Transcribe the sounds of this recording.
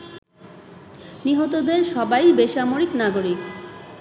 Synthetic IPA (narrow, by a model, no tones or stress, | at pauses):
niɦot̪od̪eɾʃɔbajbeʃamoɾiknaɡoɾik